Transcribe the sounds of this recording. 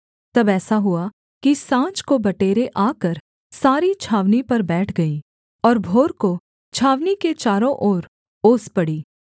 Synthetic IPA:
t̪ɐbɛːsaɦʊa | kisãːt͡ʃkobɐʈeːɾeʔaːkɐɾ | saːɾit͡ʃʰaːʋnipɐɾbɛːʈʰɡɐi | ɔːɾbʱoːɾko | t͡ʃʰaːʋniket͡ʃaːɾõʔɔːɾ | oːspɐɽiː

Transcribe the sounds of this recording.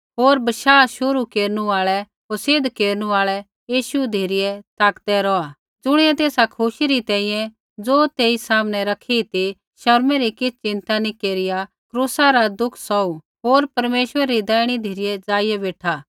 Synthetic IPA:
ɦoːɾbɐʃaːʃʊɾukeːɾnuaːɭɛ | ɦoɾsɪd̪keːɾñuaːɭɛ | jiːʃud̪ʱeːɾɪjɛt̪aːkd̪ɛɾɔːa | d͡zʊɽ̃ɪɛt̪eːsakʰʊʃiɾit̪ɛ̃ːĩjɛ̃ | d͡zoːt̪eːisaːmñɛɾɐkʰit̪i | ʃɐɾmɛɾikɪt͡sʰt͡ʃɪ̃nt̪anikeːɾɪja | kɾuːsaɾad̪ʊkʰsɔu | ɦoːɾpɐɾmeːʃwəɾɾid̪ɛːɪɽ̃id̪ʱeːɾɪjɛd͡zaːɪjɛbeːʈʰa

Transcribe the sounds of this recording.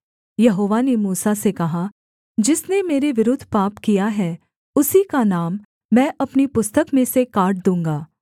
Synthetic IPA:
jɐɦoːʋanemuːsasekɐɦa | d͡ʒɪsnemeːɾeʋɪɾʊd̪ʱːpaːpkijaɦɛː | ʊsikanaːmː | ɛ̃ːʔɐpnipʊst̪əkmẽsekaːɾʈ̚d̪ũːŋɡaː

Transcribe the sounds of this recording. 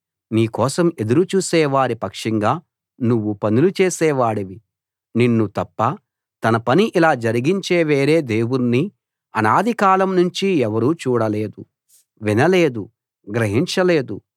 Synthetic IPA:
niːkɔːsɐme̞d̪uɾut͡ʃuːsɛːʋaːɾipɐkʂiŋɡaː | nuʋːupɐnulut͡ʃeːsɛːʋaːɽiʋi | ninːut̪ɐpːɐ | t̪ɐnɐpɐniʔilaːd͡ʒɐɾiɡiɲt͡ʃeːʋeːɾe̞ːd̪e̞ːwunːi | ɐnaːd̪ʱikaːlɐmnuɲt͡ʃiɛʋɐɾuːt͡ʃuːɽɐle̞ːd̪u | ʋinɐle̞ːd̪u | ɡɾɐɦiɲt͡ʃɐle̞ːd̪u

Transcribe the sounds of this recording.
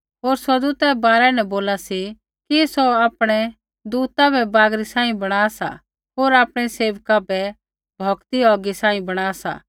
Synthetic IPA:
ɦoːɾsɐd̪uːt̪ɛbaːɾɛnɛboːlasi | kisoaːpɽ̃ɛ | d̪uːt̪abʱɛbaːɡɾisãːĩbɐɽ̃aːsa̰ | ɦoːɾaːpɽ̃ɛseːʋkabʱɛ | bʱɔkt̪iɔːɡisãːĩbɐɽ̃aːsa̰ː

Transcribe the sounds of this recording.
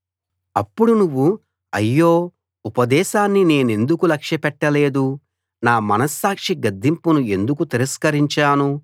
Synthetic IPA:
ɐpːuɽunuʋːu | ɐ̰jːoː | upɐd̪ɛːʃaːnːine̞ːne̞nd̪ukulɐkʂjɐpɛʈːɐle̞ːd̪u | naːmɐnɐsːaːkʂiɡɐd̪ːimpunue̞nd̪ukut̪iɾɐskɐɾiɲt͡ʃaːnu

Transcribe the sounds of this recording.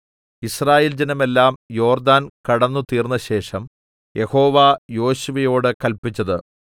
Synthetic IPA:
israːjeːld͡ʑɐnɐme̞lːaːmjo̞ːrd̪aːnkɐɽɐnːut̪iːrnːɐɕe̞ːʂɐm | jʔe̞ho̞ːʋaːjo̞ːɕuʋɐjo̞ːɽɨkɐlpit͡ɕːɐðɨ

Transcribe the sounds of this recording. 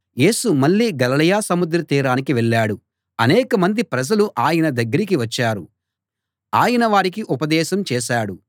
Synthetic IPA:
je̞ːsumɐɭːiːɡɐlɐlɐjaːsɐmud̪ɾɐt̪iːɾaːnikiʋɛɭːaːɽu | ɐnɛːkɐmɐnd̪ipɾɐd͡ʒɐluʔaːjɐnɐd̪ɐɡːɐɾikiʋɐt͡ʃːaːɾu | aːjɐnɐʋaːɾikiʔupɐd̪ɛːʃɐmt͡ʃɛːʃaːɽu

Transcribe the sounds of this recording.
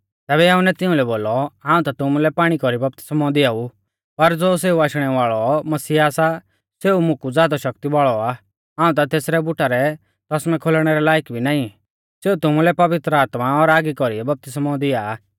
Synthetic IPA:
t̪ɛːbɛjaːʊ̃nɛt̪ɪ̃ũlɛboːlɔɦãːũt̪at̪ʊmulɛpaːɽ̃ikɔɾibɐp̚t̪ɪ̥smɔd̪ɪjau | pɐɾd͡zoːs̬eːuaːʃɽ̃ɛʋaːɭɔmɐsiːaːsa | seːumʊkud͡zjaːd̪aʃɐkt̪iʋaːɭɔa | ɦaːũt̪̬at̪eːsɾɛbʊʈʰaɾɛ | t̪ɔsmɛ̃kʰolɽ̃ɛɾɛlaːjkbʱinaːĩ | seːut̪ʊmulɛpɐʋɪt̪ɾəaːt̪maɔɾaːɡikɔɾiɛbɐp̚t̪ɪsmɔd̪ɪa

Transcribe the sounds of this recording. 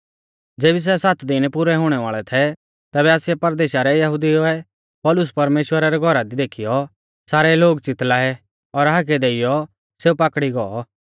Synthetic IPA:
d͡ʒeːbis̬ɛsat̪d̪ɪnpʊɾɛɦʊɽ̃ɛʋaːɭɛt̪ʰɛ | t̪ɛːbɛaːsɪɛpɐɾd̪eːʃaɾɛjɐɦʊd̪ioɛ | pɔːlʊspɐɾmeːʃwəɾaɾɛɡʱɔɾad̪id̪eːkʰijɔ | saːɾɛloːɡt͡sɪt̪laːɦɛ | ɔɾɦaːɡɛd̪eːɪjɔ | seːupaːkɽiɡɔɔ

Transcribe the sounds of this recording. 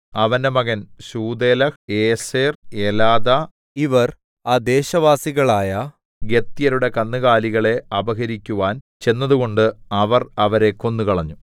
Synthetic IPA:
ɐʋɐndemɐɣɐnɕuːd̪elɐeːseːrelaːðɐ | iʋɐr | aːd̪e̞ːɕɐʋaːsiɣɐɭaːjɐ | ɡe̞t̪ːijɐɾuɽe̞kɐnːɨɣaːliɣɐɭe̞ɐbɐɣɐɾikʲːuʋaːn | t͡ɕe̞nːɐðuɣo̞ɳɖɨɐʋɐrɐʋɐɾe̞kːo̞nːukɐɭɐɲːu

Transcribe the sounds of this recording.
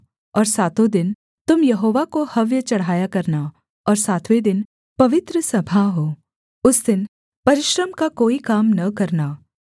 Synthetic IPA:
ɔːɾsaːt̪õd̪ɪn | t̪ʊmjɐɦoːʋakohɐʋjət͡ʃɐɽ̤aːjakɐɾna | ɔːɾsaːt̪ʰʋed̪ɪn | pɐʋɪt̪ɾəsɐbʱaɦoː | ʊsd̪ɪn | pɐɾɪʃɾəmkakoːikaːmnɐkɐɾnaː

